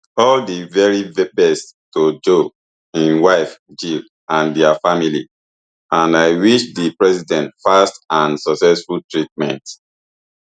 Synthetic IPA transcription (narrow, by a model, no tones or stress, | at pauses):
ɔldivɛɹibɛbɛsttod͡ʒo | ĩnwaɪfd͡ʒil | ãndɛafamilḭ | ãnaɪwiʃdipɹɛsidɛ̃ntfastãnsɔksɛsfultɹit̚mɛ̰̃nt